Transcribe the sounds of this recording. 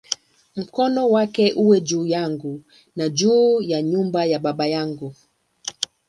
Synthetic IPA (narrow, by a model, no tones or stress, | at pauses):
m̩kɔnɔwakɛʔuwɛd͡ʒuːjaŋɡu | nad͡ʒuːjaɲumbajaɓaɓajaŋɡu